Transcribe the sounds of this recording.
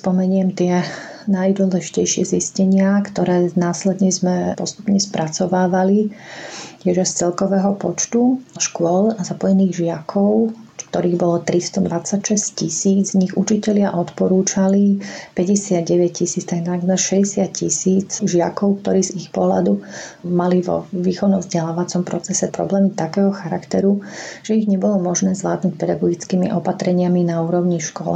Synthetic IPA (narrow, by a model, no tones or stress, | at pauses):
spɔmɛɲɪɛmt̪ɪɛ | najd̪ʊɔlɛʒicɛjʃɪɛziscɛɲɪakt̪ɔɾɛːnaːslɛd̪ɲɛzmɛpɔst̪u̥pɲɛspɾʔat͡sɔʋaːʋali | ɛʒɛst͡sɛlkɔʋɛːɦɔpɔt͡ʃt̪uʃkʊɔlazapɔjɛniːɣʒɪakʰɔʊk̚t̪ɔɾiːɣbɔlɔt̪ɾist̪ɔd̪ʋat͡sːacʃɛsccisiːd͡zɲiɣṵt͡ʃicɛlɪaʔɔt̪pɔɾuːt͡ʃalipɛɟɛsɪad̪̚ɟɛʋɛc̚cisiːt͡st̪ajnaɡmɛɾʃɛɟɛsɪat̪̚cisiːt͡sʒɪa̰kɔʊk̚t̪ɔɾiːzixpɔɦla̰d̪umaliʋɔ̰ʋiːxɔʊnɔmvzɟɛlaːʋat͡sɔmpɾɔt͡sɛsɛpɾɔ̰blɛːmit̪akɛːɦɔxaɾakt̪ɛɾuʒ̥ɛiɣɲɛbɔlɔmɔʒnɛːzʋla̰ːd̪nuc̚pɛd̪aɡɔɡit͡skiːmiʔɔpat̪ɾɛɲɪaminauːɾɔʊɲiʃkɔ̰l